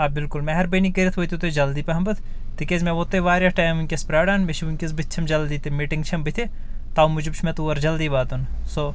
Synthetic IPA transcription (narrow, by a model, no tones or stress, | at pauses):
ɐbɪlkʊlmɛɦɐɾbɐjnikɐɾit̪ʰʋoːjt̪ʲit̪od͡ʒɐld̪iːpɐɦɐmbɐt̪ʰ | t̪ikʲezmɛʋoːt̪eʋaːɾʲjaːʈaːjmunʲkʲespɾaːɽaːnmeʃʰiʋunʲkʲezbɨt̪̚ʲt͡ʃʰɐmd͡ʒɐld̪iːt̪emiːʈiŋɡt͡ʃʰɐmbit̪ʰʲe | t̪aːumud͡ʒibt͡ʃʰmɛt̪uːɐɾd͡ʒɐld̪iːʋaːd̪unso